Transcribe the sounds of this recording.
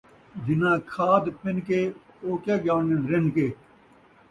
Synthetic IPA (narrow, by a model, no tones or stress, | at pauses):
d͡ʒɪnãːkʰaːd̪pɪnkeːoːkaːɡaːnenɾenkeː